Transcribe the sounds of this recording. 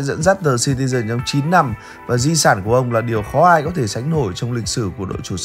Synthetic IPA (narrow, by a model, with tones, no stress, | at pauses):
zə̰˧˥nzaː˦˥t̚t̪əː˨˩si˧t̪̬i˧zə˧˩nt͡ɕɔ˧wŋ͡mt͡ɕi˨˦nːa˧m | vaː˨˩zi˧saː˧˩nku˧˩əʔə˧wŋ͡mlaː˨˩ɗi˨˩əwxɔ˨˦ʔaː˧jkɔ˨˦t̪ʰe˧˩sa˨˦jŋ̟no˧˩jt͡ɕɔ˧wŋ͡mlï˨˩k̚sɨ˧˩ku˧˩əɗo̰˧˨jt͡ɕu˧˩˧